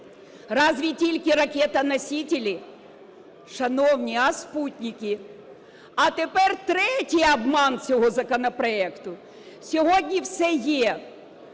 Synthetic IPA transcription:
rɑzʋʲitʲilʲkɪɾɐkʲɛt̪ɐnɐsʲitʲɪlʲi | ʃɐnɔwnʲiɐsputʲnʲikʲɪ | ɐt̪epɛrt̪ɾɛtʲijɐbmɑnt͡sʲɔɦɔzɐkɔnɐpɾɔɛkt̪ʊ | sʲɔɦoɔdʲnʲiwsɛjɛ

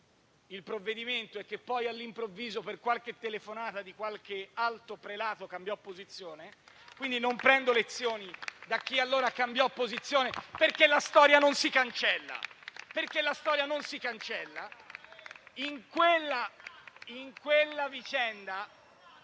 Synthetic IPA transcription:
ilpɾovːed̪iment̪oɛkːepːɔjalːimpɾovːiːzoperkwalk̟et̪ːelefonaːt̪ad̪ikwalk̟ealt̪opɾelaːt̪okambjɔpːozit̪sːjoːne | kwind̪inompɾɛnd̪olet̪sːjoːnid̪ak̟ːialːoːɾakambjɔpːozit̪sːjoːneperkːelːast̪ɔːɾjanonsikant͡ʃɛlːa̰perkelːast̪ɔːɾjanonsikant͡ʃɛlːa | iŋkwelːa | iŋkwelːavit͡ʃɛnd̪a

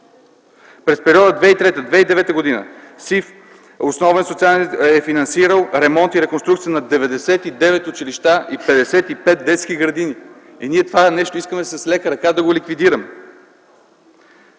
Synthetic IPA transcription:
pɾɛspɛɾiɔd̪əd̪vɛit̪ɾɛt̪əd̪vɛid̪ɛvɛt̪əɡod̪inə̰sif | osnɔvɛnsot̪sialɛɛfinɐnsiɾəlˠɾɛmɔnt̪iɾɛkonst̪ɾukt̪sijənɐd̪ɛvɛd̪ɛsɛt̪id̪ɛvɛt̪ʊt͡ʃiliʃt̪aʔipɛd̪ɛsɛt̪ipɛt̪̚d̪ɛt̪skiɡɾɐd̪ini | iniɛt̪ovanɛʃt̪oiskəmɛsɐslɛkəɾɐkad̪ɐɡolikvid̪iɾəmɛ

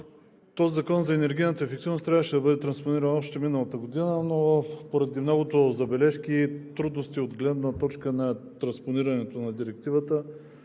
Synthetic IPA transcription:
t̪ɔzizɐkɔnzɐɛnɛɾɡʲijnət̪əɛfɛk̚t̪ivnost̪ɾʲavəʃɛd̪ɐbɤd̪ɛt̪ɾɐnsponiɾənɔpʃt̪ɛminəlˠət̪əɡod̪inənopoɾɐd̪imnɔɡʊt̪ozɐbɛlɛʃk̟it̪ɾud̪nost̪iod̪ɡlɛd̪nət̪ɔt͡ʃkənɐt̪ɾɐnsponiɾɐnɛt̪onɐd̪iɾɛk̚t̪ivət̪ə

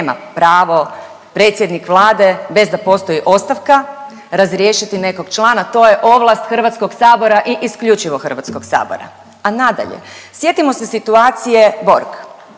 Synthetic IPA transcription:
ma̰pɾaːʋo̞ | pɾe̞t̪sjed̪nikʋlˠaːd̪e̞be̞zd̪apo̞st̪o̞jiʔo̞st̪aʋka | ɾazɾjeʃit̪ine̞ko̞ɡ̥t͡ʃlˠaːnat̪o̞je̞ʔo̞ʋlˠast̪xr̩ʋat̪sko̞ɡsaːbo̞ɾaʔiʔiskʎut͡ʃiʋoxr̩ʋat̪sko̞ɡsa̰ːbo̰ɾa̰ | anad̪a̰ʎḛsje̞t̪imo̞sesit̪uaːt̪sije̞bo̞̰ɾk

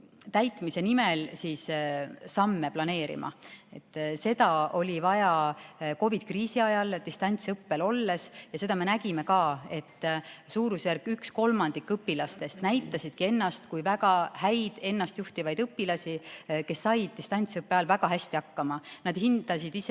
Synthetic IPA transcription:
t̪æjt̪ˑmise̞nimelsiːssɑmːe̞plɑne̞ːɾḭmɑ̰e̞t̪ːˑse̞d̪ɑo̞lʲivɑjɑko̞vid̪̥̚kriːsiɑjɑlt̪ist̪ɑnʲt̪sɤpːe̞lo̞lːe̞sjɑse̞d̪̥ɑme̞næɡime̞kɑːe̞t̪ːsuːɾusjærkːˑyksko̞lmɑnd̪̥ikːɤpːilɑst̪e̞st̪næjt̪ˑːɑsid̪̥kie̞nːɑst̪kujvæɡɑhæjd̪̥e̞nːɑst̪juht̪ivɑjd̪ɤpːilɑsʲike̞sːɑjd̪̥̚ist̪ɑnʲt̪sɤpːˑeɑlvæɡ̥ɑɦæsʲt̪iɑkːɑmɑnɑd̪̥hind̪̥ɑsid̪ise

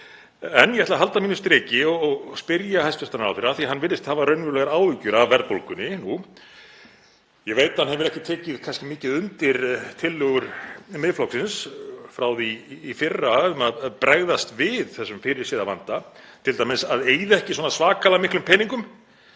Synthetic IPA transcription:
ɛnjɛhɛtlaɦalt̪amiːnʏst̪ɾɛːcɪɔɔɣspɪɾjahajscast̪anɾa̰wfɪɾaθiɦanːvɪɾːɪst̪haːvaɾœɥnvʏɾlɛɣaɾaːwlʏcʏɾavvɛɾð̚polkʏnːɪnu | jɛɣveːjt̪hanɦhɛvɪɾɛhcɪt̪ʰɛːcɪðkʰanscɪmɪːcɪðʏnt̪ɪɾt̪ʰɪlːœɣʏɾ̥mɪðflɔksɪnsfɾaːwðiːfɪrːaʏmaðpɾɛɣðast̪vɪðθɛsːʏmfɪɾɪɾ̥siːðava̰nt̪a | t̪ʰɪlt̪aːmɪnsaðeːjðɛhcɪswɔnasvaːkʰalamɪhklʏmpʰɛːniŋkʏm

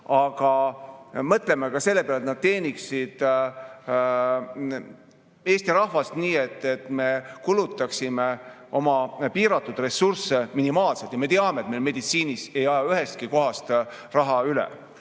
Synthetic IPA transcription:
ɑɡɑ | mɤt̪le̞mekɑse̞lːe̞peɑlet̪nɑd̪̥̚t̪e̞ːnʲiksid̪̥ | e̞ːst̪iɾɑhvɑst̪niːe̞t̪ːˑe̞t̪me̞kulut̪ːˑɑksime | o̞mɑpiːɾɑt̪ːˑud̪̥re̞surseminimɑːlselt̪jɑme̞t̪eɑmet̪mejlme̞d̪̥it̪siːnise̞jɑjɑyɦe̞st̪̚kiko̞ɦɑst̪ | rɑɦɑylḛ

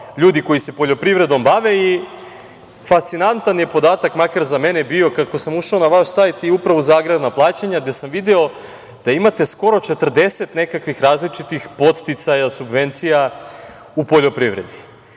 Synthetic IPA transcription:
ʎuːd̪iko̞jise̞po̞ʎo̞pɾivɾe̞d̪o̞mbaʋe̞i | fast̪sinant̪anje̞po̞d̪aːt̪akmakaɾzame̞nebio̞kako̞samuʃaonaʋaʃsajt̪iupɾaʋozaːɡɾebnaplˠaːt͡ɕaɲaɡd̪e̞samʋid̪eo̞ | d̪̥aimat̪e̞sko̞ɾo̞t͡ʃe̞t̪r̩d̪e̞se̞t̪ne̞kakʋixɾaːzlit͡ʃit̪ixpo̞t̪st̪it̪sajasubʋe̞nt̪sija | upo̞ʎo̞pɾiʋɾe̞̰d̪i

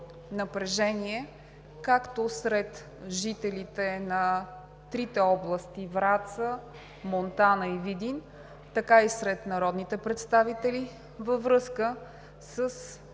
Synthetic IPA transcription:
nəpɾɛʒɛniɛ | kakt̪osɾɛt̪ | ʒit̪ɛlit̪ɛnɐ | t̪ɾit̪ɛɔblˠəst̪ivɾat̪sə | mont̪anəivid̪in | t̪ɐkaisɾɛt̪nɐɾɔd̪nit̪ɛpɾɛt̪st̪avit̪ɛli | vəvɾɤskə | səs

